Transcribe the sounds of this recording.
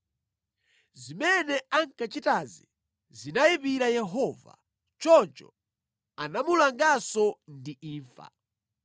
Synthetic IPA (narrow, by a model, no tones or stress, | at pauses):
zimɛnɛaŋkat͡ʃitazi | zinajipiɾajɛɦɔva̰ | t͡ʃɔnt͡ʃɔ̰ | anamulaŋɡasɔndiiːɱfa̰